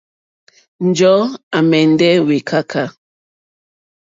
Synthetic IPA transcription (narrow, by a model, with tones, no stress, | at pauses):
n̩˨d͡ʒɔ˨˦a˨mɛ˨n˦dɛ˦we˨kʰa˦kʰa˦